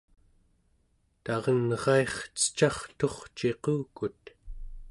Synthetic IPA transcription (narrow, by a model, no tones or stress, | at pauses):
t̪ɑʁʌnʁɑe̞χt͡sə̥t͡ʃɑχt̪o̞χt͡ʃe̞quːkut̪̚